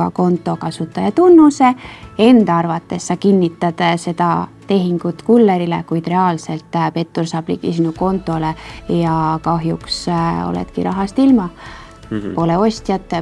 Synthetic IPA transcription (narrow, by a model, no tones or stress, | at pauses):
ɑ̰ko̞nt̪ˑo̞kɑsut̪ːˑɑjɑt̪unːuse̞e̞nd̪̥ɑɑrvɑt̪ːˑe̞sːɑkinʲːit̪ːˑɑd̪̥se̞d̪̥ɑt̪e̞ɦiŋɡ̥ut̪kulːeɾile̞̰kujd̪̥re̞ɑːlse̞lt̪ːˑpe̞t̪ːˑursɑːb̥lḭkisinuko̞nt̪ːˑo̞lejɑkɑɦjukso̞̰lḛt̪kiɾɑ̰ɦɑst̪ilmɑ | po̞le̞o̞sʲt̪jɑt̪ːˑ